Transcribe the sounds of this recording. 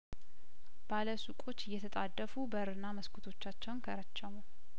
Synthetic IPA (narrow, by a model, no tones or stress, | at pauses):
b̥aləsukʼo̞t͡ʃːɪjːɛt̪ʰət̪ʼad̪ːəfubəɨɾɨnːaməskʰut̪ʰo̞t͡ʃːat͡ʃːɛwnkʰəɾət͡ʃːɛmu